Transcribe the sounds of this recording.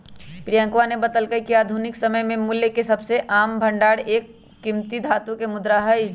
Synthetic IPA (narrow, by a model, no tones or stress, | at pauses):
pɾijə̃ŋkʋanebɐt̪əlkəjkiaːd̪ʱunɪksɐməjmẽmʊljəkesɐbseʔaːmbʱɐ̃ɳɖaːɽeːkː | ɪmt̪id̪ʱaːt̪ũkemʊd̪ɾaɦəj